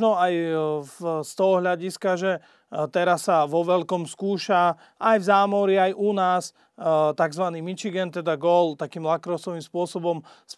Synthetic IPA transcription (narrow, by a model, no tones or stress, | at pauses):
nɔaj | st̪ɔɦɔɦʎaɟiskaʒɛ | t̪ɛɾasːaʋɔʋɛlkɔmskuːʃa | ʔajvzaːmɔɾiajʔunaːs | t̪aɡzʋaniːmit͡ʃiɡɛnt̪ɛd̪aɡɔlt̪akiːmlakɾɔʊsɔʋiːmspʊɔsɔbɔm | s